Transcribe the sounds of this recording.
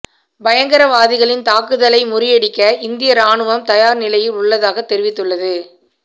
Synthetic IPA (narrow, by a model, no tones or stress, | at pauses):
bɐjɐŋɡɐɾɐʋaːðɪɣɐɭɪnt̪aːkɯðɐlɐɪmʊɾɪjɐɽɪkːɐʔɪnd̪ɪjɐɾaːɳɯʋɐmt̪ɐjaːɾnɪlɐjɪlʊɭːɐðaːɣɐt̪ːɛɾɪʋɪt̪ːɯɭːɐðɯ